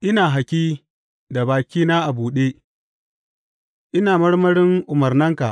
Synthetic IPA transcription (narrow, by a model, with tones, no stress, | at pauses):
ʔɪ˦naː˨ɦa˨kʲiː˦ | da˨baː˨kʲiː˦naː˦ʔa˨buː˨ɗeː˦ | ʔɪ˦naː˨mɐ˦ɽmɐ˦ɽɪ˦ŋʔʊ˨mɐ˨rnɐ˦ŋka˨ʔ